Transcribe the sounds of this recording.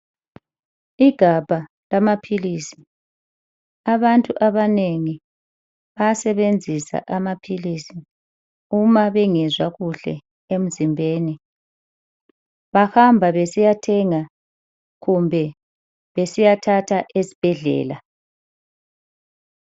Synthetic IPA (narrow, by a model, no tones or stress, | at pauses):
iɡ̥ʱab̥ʱa | lamapʰilisi̥ | aβantʼuʔaβaneŋi | βajasɛβend͡zʱisa̰ʔamapʰilisi | umaβɛŋɛzwaɣuɬɛ̰ | em̩zimbʱeːni | βahambʱaβesijatʰɛŋa | ɣumbʱɛ | βesijatʰatʰaʔesi̥b̥ʱɛɮɛ̰ːla